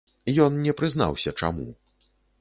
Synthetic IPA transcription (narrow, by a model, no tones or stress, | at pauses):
jɔnnʲɛpɾɨzn̪a̰wsʲɐt͡ʂa̰mṵ